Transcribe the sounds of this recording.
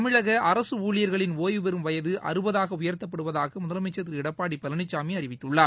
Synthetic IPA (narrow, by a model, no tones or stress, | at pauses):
ɐmɪɻɐɣɐʔɐɾɐsɯuːlɪjɐɾɣɐɭɪnoːjʋɯbɛɾɯmʋɐjɐðɯʔɐ̰ɾɯbɐðaːɣɐʊjɐɾt̪ɐp̬ːɐɽɯʋɐðaːɣɐmʊðɐlɐmɛt͡ʃːɐt̪̬ːɪɾɪɽɐpːaːɽipɐlɐɳɪt͡ʃːaːmiɐɾɪʋɪt̪ːɯɭːaː